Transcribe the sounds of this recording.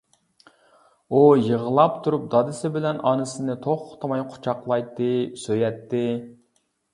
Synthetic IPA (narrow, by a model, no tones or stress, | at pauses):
ujəʁəlˠɑpt̪ʰuɾup̚d̪ɑd̪ɪsɪbɪlɛnɑnɨsɨnɨt̪ʰoχʰʊ̥t̪ʰɑmɑjqʰʊ̥t͡ʃʰɑqlˠɑjt̪ːɪsøjɛt̪ʰːɪ